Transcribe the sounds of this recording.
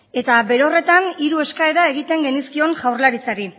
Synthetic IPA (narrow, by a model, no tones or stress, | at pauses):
e̞t̪aβe̞ɾo̞re̞t̪aniɾueskae̞ɾae̞ɣ̞it̪e̞ŋɡe̞niskio̞nʝawɾlaɾit͡saɾi